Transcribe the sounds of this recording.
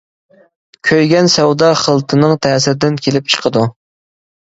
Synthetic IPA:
kʲʰøjɡʲɛnsɛwd̪ɑχəlˠt̪ʰɨnɨŋt̪ʰæːsɪɾd̪ɪnkʲʰelɪp̚t͡ʃʰə̥qʰəd̪u

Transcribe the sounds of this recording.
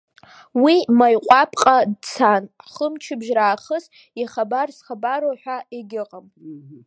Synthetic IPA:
wimajqʷʼapʼqʼadt͡sʰanχəmt͡ʃʰɪbʒraːχəs | iχabarsχabaɾoħʷᶣaeɡʲɪqʼam

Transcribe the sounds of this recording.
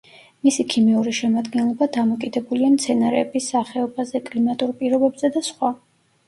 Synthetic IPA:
misikʰimiuɾiʃɛmad̪ɡɛnlˠɔbad̪amɔkʼid̪ɛbuliamt̪sʰɛnaɾɛ̰ːbisaχɛɔbazɛkʼlimat̪ʼuɾpʼiɾɔbɛbz̥ɛd̪asχwa

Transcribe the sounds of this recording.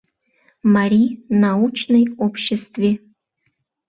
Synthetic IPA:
maɾʲinaut͡ɕnəjopɕːɪst̪vʲe

